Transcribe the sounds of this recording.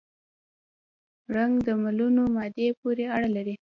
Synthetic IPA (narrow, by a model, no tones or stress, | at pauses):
ɾaŋɡd̪əmalunomɑd̪epoɾeaɽalaɾi